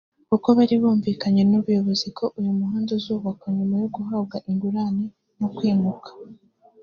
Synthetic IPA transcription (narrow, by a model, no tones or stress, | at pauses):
kuko̞βaɾiβuːɱviːkaɲe̞nuβujo̞βo̞zikʰo̞ʔujumuɦaːndezuːβakoɲumajoɡuɦabɡaʔiŋɡuɾani | nokwiːnukʰḁ